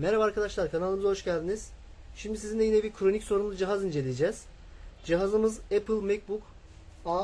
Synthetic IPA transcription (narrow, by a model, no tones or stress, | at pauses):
meɾavɛaɾkʰad̪aʃlˠaɾkʰanalˠɯmɯzaɦo̞ʃcælʲd̪iniz̥ | ʃimd̪is̬izinɛjinɛbiɾkʰɾo̞nicso̞ɾunˠad͡ʒiɦazind͡ʒe̞lʲijed͡ʒɛːz̥ | d͡ʒiɦazɯmɯzɛpʰɯlʲˠmec̚buk | a